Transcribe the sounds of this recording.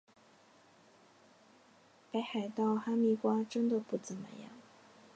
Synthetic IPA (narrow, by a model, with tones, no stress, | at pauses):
pe˧˥ɪxa˨˩ɪt̪ɑ˥˩ʊxa˥mi˥˩kwa˥ʈ͡ʂə˥nd̪ə˨pu˥˩t͡sə˨˩nmə̰˦jɑ̰˥˩ŋ